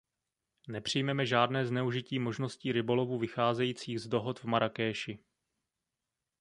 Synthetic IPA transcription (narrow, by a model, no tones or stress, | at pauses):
nɛpr̝̥ɪjmɛmɛʒaːdnɛːznɛuʒɪciːmo̞ʒno̞sciːɾɪbo̞lovuːvɪxaːzɛjiːt͡siːɣzdo̞ɦo̞t̪vmaɾʔakɛːʃɪ